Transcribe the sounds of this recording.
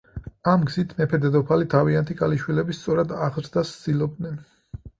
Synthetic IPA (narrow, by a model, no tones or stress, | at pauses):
amɡz̥it̪ʰmɛpʰɛd̪ɛd̪ɔpʰalit̪ʰaviant̪ʰiɡʼaliʃwilɛbist̪sʼɔɾad̪aʁɾd̪asd̪ilˠɔb̚d̪nɛn